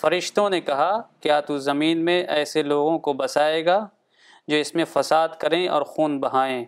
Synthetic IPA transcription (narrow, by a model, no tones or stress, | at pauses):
fɐɾɪʃt̪õnekɐɦakjaːt̪uzɐmiːnmẽʔɛːseloːɡõkobɐsaːeːɡaː | d͡ʒoːɪsmẽfɐsaːd̪kɐɾẽɔ̰ːɾxuːnbɐɦaːẽː